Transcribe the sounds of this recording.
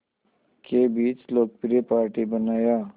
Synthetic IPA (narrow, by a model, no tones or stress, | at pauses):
kebiːt͡ʃloːk̚pɪɾepaːɾʈibənaːjaː